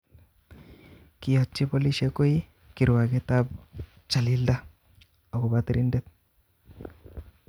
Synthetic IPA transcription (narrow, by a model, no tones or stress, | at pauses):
kiat͡ʃːipoliʃekoi | kiɾwaɡet̪ab | t͡ʃalilda | aɡobat̪ɾindet̪̚